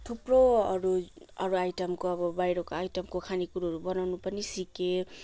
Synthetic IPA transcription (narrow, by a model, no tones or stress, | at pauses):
t̪ʰupɾoʌɾu | ʌɾuajtʌmkoʌbʌbajɾokoajtʌmkokʰanikuɾuɦʌɾubʌnawnupʌnisike